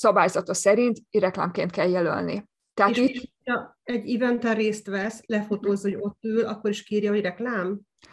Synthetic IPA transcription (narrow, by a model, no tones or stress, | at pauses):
sɒbaːjzɒt̪ɒsɛɾint̪ɾɛkla̰ːmkeːnt̪̚kɛljɛlø̰lnḭ | t̪ɛɦait̪ | ɛɟivɛnt̪ɛreːst̪ʋɛslɛfot̪oːzho̞ɟo̞t̪ːøːlɒkːo̞ɾiʃkiːɾjɒɦo̞ɟrɛklaːm